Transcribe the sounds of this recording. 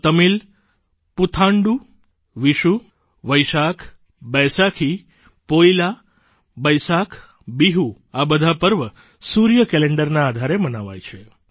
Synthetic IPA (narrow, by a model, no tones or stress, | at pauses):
t̪əmil | put̪ʰãɳɖu | ʋiʃu | ʋəjʃakʰ | bɛsakʰi | poila | bəjsakʰ | biɦu | abəd̪ʱapəɾʋə | suɾjəkɛleɳɖəɾnaːd̪ʱaɾemənaʋa̰jt͡ʃʰe